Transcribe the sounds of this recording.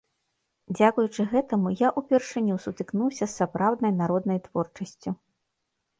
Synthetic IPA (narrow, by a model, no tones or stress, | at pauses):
d͡zʲakujut͡ʂɨɣɛt̪ɐmujaʔupʲɛrʂɨnʲusut̪ɨknuwsʲɐsːapɾawd̪nɐjnaɾɔd̪nɐjt̪vɔrt͡ʂɐsʲt͡sʲu